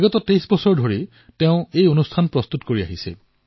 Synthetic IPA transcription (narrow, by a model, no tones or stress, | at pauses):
ɡɔtɔtejsbɔsɔɹdʱoɹi | teʊ̃ejonustʰanpɹɔst̪utkoɹia̰ɦisɛ̰